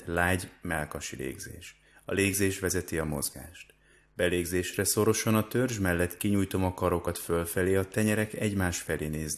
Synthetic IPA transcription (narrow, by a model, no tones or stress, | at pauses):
laːɟmɛlkɒʃilḛːɡzḛːʃ | ɒ̰leːɡzeːʃʋɛzɛt̪iɒmo̞̰zɡa̰ːʃt̪ | b̥ɛleːɡzeːʃrɛso̞ɾo̞ʃo̞nɒt̪ørʒmɛlːɛt̪kiɲujt̪o̞mɒkɒɾo̞kɒt̪følfɛleːɒt̪ɛɲɛɾɛkɛɟmaːʃfɛleːneːzn